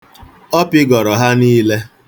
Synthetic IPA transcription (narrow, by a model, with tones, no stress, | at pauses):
ɔ˦pɪ˦ɡɔ˨ɾɔ˨ɦa˦niː˦le˦